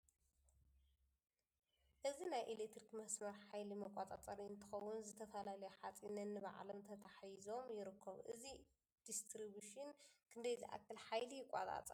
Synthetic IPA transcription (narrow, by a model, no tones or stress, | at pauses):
ʔɨzinajʔelet̪ɾikmɐsmɐɾħajlimɐkʷʼːat̪ʼat͡sʼɐɾiɨnt̪ʰɨxɐwʊnzɨt̪ʰɐfɐlalɐjɛħat͡sʼinɐnːɨba̰ʕlɐmt̪ʰɐt̪ʰaħjzo̞mjɪɾɨkʰːɐβʔɨzi | d̪̥ist̪ʰɾibuʃɨnkʰɨnd̪ɐjziʔa̰kːɐlħajlijɪkʷʼa̰t̪ʼa̰t͡sʼɐ